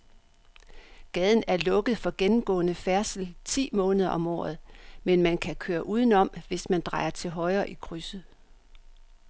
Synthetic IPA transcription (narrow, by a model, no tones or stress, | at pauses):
ɡ̥ɛð̞ˠn̩æɐlɔ̽ɡ̥əð̩ˠfɒ̽ɡ̥enm̩ɡ̥ɔ̰̽ːnəfæɐsl̩t͡sʰḭːmɔ̽ːnəð̞ˠɐʔɒ̽mɒ̰ːð̞̩ˠmenmænkʰækʰøːɐʔuːð̞ˠn̩ɒ̽m̰ʋe̝smænd̥ʁɑ̈ɪɐt͡sʰe̝lɦɒ̽ɪɐːʔikʰʁysð̩ˠ